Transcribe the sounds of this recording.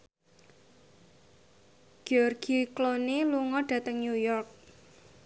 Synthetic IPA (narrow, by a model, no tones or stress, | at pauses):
ɡ̥ɔrɡ̥ikloniluŋɔɖ̥ä̤t̪əŋnjujɔrk̚